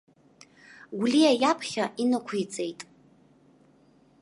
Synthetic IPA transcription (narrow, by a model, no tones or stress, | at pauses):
ɡʷliajapʰχʲaʔinɨkʷʰijt͡sʼe̞jtʼ